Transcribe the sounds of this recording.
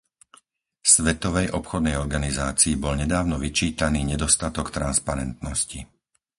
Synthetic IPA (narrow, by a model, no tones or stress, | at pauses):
sʋɛt̪ɔʋɛjʔɔpxɔd̪̚nɛjɔɾɡanizaːt͡siːbɔlɲɛd̪aːʊnɔʋit͡ʃiːt̪aniːɲɛd̪ɔst̪at̪ɔkt̪ɾanspaɾɛnt̪nɔsci